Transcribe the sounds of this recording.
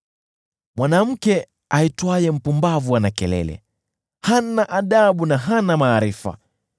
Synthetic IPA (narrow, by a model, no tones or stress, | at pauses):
mwanam̩kɛ | aitwajɛm̩pumbavuanakɛlɛ̰lɛ̰ | hanaʔaɗaɓunaɦanamaːɾifa̰